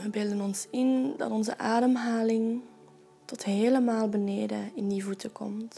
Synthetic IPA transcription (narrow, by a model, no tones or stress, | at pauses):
ʋəbɪlˠdənɔnsɪndɑ̰tɔnzə̰ʔaːdəmɦaːlɪŋ | tɔtɦeːləmaːlˠbəneːdəɪndivutəkɔ̰mt